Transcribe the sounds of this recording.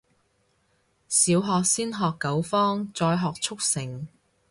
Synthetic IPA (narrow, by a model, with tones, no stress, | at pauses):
siː˨˧wɦɔː˨k̚siː˥nɦɔː˨kːɐ˨˥wfɔː˥ŋt͡sɔː˧jɦɔː˨k̚t͡sʰʊ˥k̚sɪ˨˩ŋ